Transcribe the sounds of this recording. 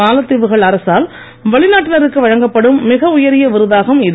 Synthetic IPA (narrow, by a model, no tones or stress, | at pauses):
aːlɐt̪ːɪʋɯɣɐɭɐɾɐsaːl | ʋɐɭɪnaːʈːɪlɐɾɯkːɯʋɐɻɐŋɡɐpːɐɽɯmːɪɣɐʊjɐɾɪjɐʋɪɾɯðaːɣɐmɪðɯ